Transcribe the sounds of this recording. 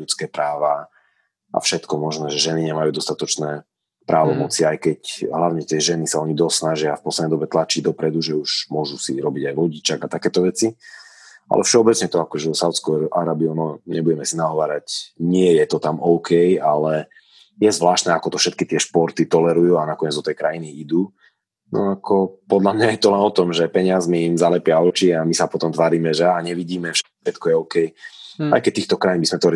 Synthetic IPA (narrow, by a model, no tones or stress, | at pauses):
ut͡skɛːpɾaːʋa | ʔa̰fʃɛt̪kɔmɔʒnɛːʒɛʒɛniɲɛmajuːd̪ɔst̪at̪ɔt͡ʃnɛː | pɾaːʋɔmɔt͡siajkɛcɦlaʊɲɛt̪ɪɛʒɛnisaɔɲid̪ɔstsnaʒɪafpɔslɛd̪ɛjd̪ɔbɛt̪lat͡ʃiɟd̪ɔpɾɛd̪uʒɛuʃmʊɔʒusiɾɔbiɟajʋɔɟit͡ʃaɡat̪akɛːt̪ɔʋɛt͡si | ʔa̰lɛ̰fʃɛɔbɛt͡sɲɛt̪ɔakɔʒɛɔsaʊt͡skɔʔaɾabiɔnɔɲɛbuɟɛmɛsinaɦɔʋaːɾacɲɪɛjɛt̪ɔt̪amɔʊkʰɛjalɛ | jɛzʋlaːʃt̪nɛːakɔt̪ɔfʃɛt̪̚kit̪ɪɛʃpɔɾt̪it̪ɔlɛɾujuːanakɔɲɛd͡zd̪ɔt̪ɛjkɾajiniid̪uː | nɔakʰɔpɔd̪ʎamɲajɛt̪ɔlɛnɔt̪ɔmʒɛpɛɲɪazmiːmzalɛpɪaɔt͡ʃiamisapɔt̪ɔmt̪ʋaːɾiːmɛʒɛaɲɛʋiɟiːmɛfʃɛʃɛt̪kɔjɛɔʊkɛja̰jkɛc̚t̪iːxt̪ɔkɾajinbizmɛt̪ɔɾ